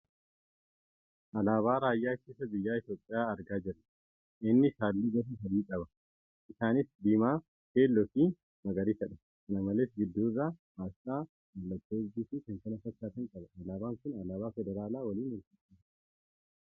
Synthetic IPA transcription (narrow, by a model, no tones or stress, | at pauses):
ʔɐlaːβaːɾaːjːaːkeːsɐbɪjːaːɪt̪jo̞ːpʼːɪjaːɐɾɡaːd͡ʒɪrːɐ | ʔɪnːɪʃaːlːiːɡɐtɪfɐd̪iːkʼɐbɐ | ɪsaːnɪsd̪iːmaː | heːlːɔfiː | mɐɡɐɾiːfɛᶑɐ̥ | kɐnɐmɐleːsɡɪd̪ːuːɪrːaː | aːstaː | mɐlːɐt̪ːoːbiːfiːkɐŋkɐnɐfɐt̪ːaːt̪ɐŋkʼɐbɐɐlaːbaːŋkʊnɐlaːbaːfɛd̪ɛɾaːlaːwɐliːnwɐltɪtːɐ